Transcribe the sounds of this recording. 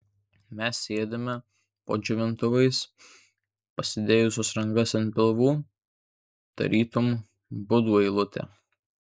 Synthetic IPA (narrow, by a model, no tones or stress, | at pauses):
mʲɛsːʲeːd̪ʲemʲɛ | po̰ːʒʲɪʋʲɪnt̪ʊʋɐɪs | pɐsʲɪd̪ʲeːjʊsʲoːsɾɐŋɡɐsɪnpʲɪlˠʋuː | d̪̥ɐ̰ɾʲʔiːt̪ʊm | bʊd̪uːɛɪlˠʊt̪ʲɛ̰